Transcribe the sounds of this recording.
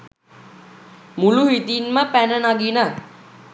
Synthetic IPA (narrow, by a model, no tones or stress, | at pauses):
muluɦit̪inməpænənaɡinə